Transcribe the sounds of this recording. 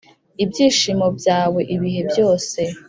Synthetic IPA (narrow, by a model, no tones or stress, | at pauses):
ibjiːʃimo̞bjaːwe̞ʔiβiɦe̞bjo̞ːse̞